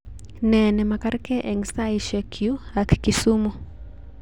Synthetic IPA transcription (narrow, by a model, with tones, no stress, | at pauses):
nɛ˨nɛ˨ma˨kaɾkɛ˦ʔɛ˨ŋsa˦iʃɛ˨kʰju˦a˨kki˨suː˦mɔ˦